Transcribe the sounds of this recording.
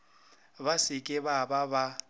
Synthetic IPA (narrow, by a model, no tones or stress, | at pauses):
βasɪkʼɪβabaβa